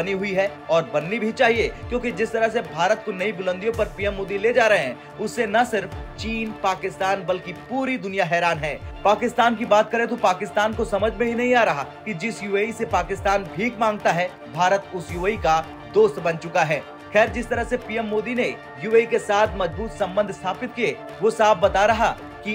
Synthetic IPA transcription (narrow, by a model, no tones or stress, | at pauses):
bɐniɦʊiɦɛ | ɔːɾbɐnːibʱit͡ʃaːɦiekjõːkid͡ʒɪst̪ɐɾəɦs̬ebʱaːɾət̪̚konɐibʊlə̃nd̪ijõpɐɾpiːɛmːoːd̪iled͡ʒaːɾɐɦeɦɛ̃ː | ʊsːenɐsɪɾft͡ʃiːnpaːkɪst̪aːnbɐlkipuːɾid̪ʊnijaɦɛːɾaːnɦɛːpaːkɪst̪aːnk̬ibaːt̪̚kɐɾẽt̪̬opaːkɪst̪aːnkosɐməd͡ʒʱmẽbʱinɐɦĩaːɾɐɦakid͡ʒɪsjuːeːisepaːkɪst̪aːnbʱiːkmãːŋɡ̚t̪aɦɛ | bʱaːɾət̪ʊsjuːeːika | d̪oːst̪bɐnt͡ʃʊkaɦɛː | xɛːɾd͡ʒɪst̪ɐɾəɦsepiːɛmːoːd̪ine | juːeːikesaːt̪ʰmɐd͡ʒbuːt̪sɐ̃mbə̃nd̪ʱst̪ʰaːpɪt̪̚ke | ʋosaːfʰbɐt̪aɾɐɦa | ki